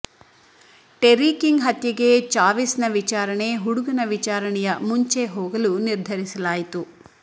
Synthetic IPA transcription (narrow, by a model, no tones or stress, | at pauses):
ʈeɾiːkiŋɡɦɐt̪jɐɡe̞t͡ʃaːʋisnɐʋit͡ʃaːɾɐɳe̞ɦuɽuɡɐnɐʋit͡ʃaːɾɐɳɛjɐmuɲt͡ʃeɦoːɡɐluniɾd̪ʱɐɾisɐlaːjit̪u